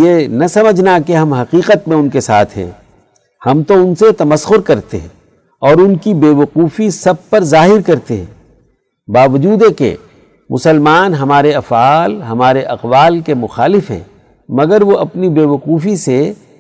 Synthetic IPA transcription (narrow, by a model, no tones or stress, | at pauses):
jenɐsɐməd͡ʒʱnakeɦɐmɦɐqiːqət̪mẽʊnkesa̰ːt̪ʰɦɛ̰̃ː | hɐmt̪oʊnset̪ɐməsxʊɾkɐɾt̪ḛɦɛ̰̃ː | ɔːɾʊnkibeːʋɐquːfisɐb̚pɐɾzaːɦɪɾkɐɾt̪eɦɛ̰̃ː | baːʋɐd͡ʒuːd̪ekḛ | mʔʊ̰səlmaːnɦɐmaːɾeɐfaːlɦɐmaːɾeʔɐqʋaːlkemʊxaːlɪfɦɛ̰̃ː | mɐɡəɾʋoʔɐpnibeːʋɐquːfise